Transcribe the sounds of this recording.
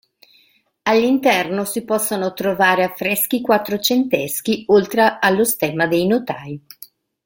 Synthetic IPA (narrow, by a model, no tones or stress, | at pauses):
alːint̪ɛrnosipɔsːonot̪ɾovaːɾeafːɾɛsk̟ikwat̪ːɾot͡ʃent̪ɛsk̟iolt̪ɾealːost̪ɛːmad̪ejnot̪aːj